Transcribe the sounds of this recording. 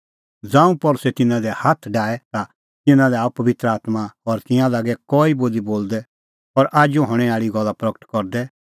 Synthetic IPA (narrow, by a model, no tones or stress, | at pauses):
d͡zãːũpɔɾʊsɛt̪ɪnãd̪ɛhat̪ʰɖaːɛt̪a | t̪ɪnãlɛaːupɐʋɪt̪ɾəaːt̪maɔɾt̪ɪ̃jãlaːɡɛkɔːiboːliboːld̪ɛ | ɔɾʔaːd͡ʒoɦɔɽ̃ɛaːɭiɡɔlːapɾɐkə̥ʈkɔɾd̪ɛ